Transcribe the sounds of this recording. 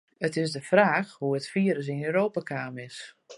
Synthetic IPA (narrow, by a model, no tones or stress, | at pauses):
ətɪsdəfraːxhuətfiːəɾəs̬ɪnøːɾoːpakʰaːmɪs